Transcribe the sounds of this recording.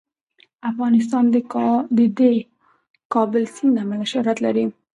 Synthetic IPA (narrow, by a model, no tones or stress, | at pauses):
afɣɑnɪs̬t̪ɑnd̪əd̪e | kɑbɪlsind̪amanaʃaɾat̪laɾi